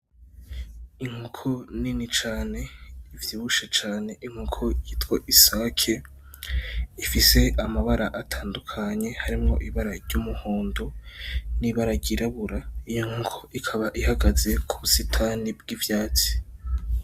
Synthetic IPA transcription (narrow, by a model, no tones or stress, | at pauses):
iŋ̥hukʰoninit͡ʃaːne̞ivjiːβuʃet͡ʃaːne̞ʔiŋ̥hukʰojitkwoʔisakʰe̞ | ifise̞amaβaɾaʔatʰaːndukʰaɲe̞haɾimŋo̞̰ʔiβaɾaɾɟumuhoːndoniβaɾaɾɟiɾaβuɾaijoŋ̥hukʰoʔikʰaβaʔihaɡaze̞kʰuβusitʰanibɡivjaːt͡si̥